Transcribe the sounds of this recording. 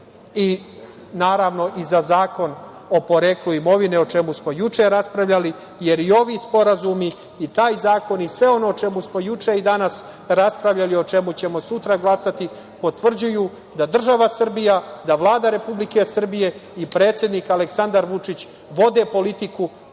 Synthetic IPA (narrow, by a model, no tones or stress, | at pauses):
i | naːɾaːʋno̞ʔizazaːko̞n | o̞po̞ɾeːkluimo̞ʋineo̞t͡ʃe̞musmo̞jut͡ʂeɾaspɾaʋʎali | je̞ɾio̞ʋiːspo̞ɾazumiː | t̪aːjzaːko̞nisʋe̞o̞no̞t͡ʃe̞musmo̞jut͡ʂeid̪anas | ɾaspɾaʋʎalio̞t͡ʃe̞mut͡ɕe̞mo̞sut̪ɾaɡlasat̪i | po̞t̪ʋr̩d͡ʑujuː | d̪ad̪r̩ʒaʋasr̩bijad̪aʋlˠaːd̪aɾe̞publike̞sr̩bije̞ipɾeːt̪sje̞d̪nikaleksand̪aɾʋut͡ʂit͡ɕ | ʋo̞d̪e̞po̞lit̪iku